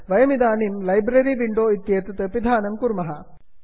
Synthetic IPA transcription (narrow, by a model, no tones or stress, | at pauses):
ʋɐjɐmid̪aːnimlɐjbɾɐɾiʋiɳɖoːit̪jeːt̪ɐt̪ɐpid̪ʱaːnɐmkuɾmɐɦɐ